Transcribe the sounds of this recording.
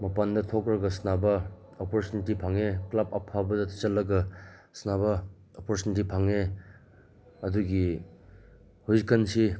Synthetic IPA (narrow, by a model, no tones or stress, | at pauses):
mɐpandɐtʰɔkɾɐɡɐsnabɐ | opoɾt͡ʃunitipʰaŋeklabɐpʰːabɐdɐtʰt͡ʃɐlːɐɡɐsnabɐ | opɔɾsunitipʰaŋe | ɐduɡi | huzikʰːɐnsi